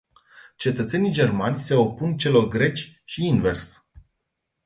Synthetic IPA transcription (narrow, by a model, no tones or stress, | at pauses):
t͡ʃe̞t̪ət̪se̞nijd͡ʒe̞rmanʲse̞o̞punt͡ʃe̞lo̞rɡɾe̞t͡ʃʲʃiinve̞rs